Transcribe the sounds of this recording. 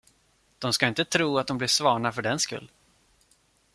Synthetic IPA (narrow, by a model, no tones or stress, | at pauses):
d̪̥ɔmskaɪnt̪ət̪ʰɾuːat̪̚d̪ɔmblɪʂvɑːɳafœɖɛnskɵ̰lː